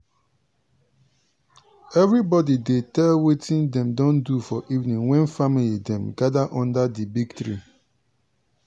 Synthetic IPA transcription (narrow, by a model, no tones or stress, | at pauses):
ɛvɾibɔdidetɛlwetĩndɛ̃mdõndufɔʔivnĩŋwɛ̃nfamilidɛ̃mɡadaʔɔ̃ndadibiɡtɹi